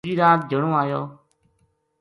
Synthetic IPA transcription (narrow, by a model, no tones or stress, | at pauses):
d͡ʒiːɾãːt̪̚d͡ʒəɽ̃õːaːjoː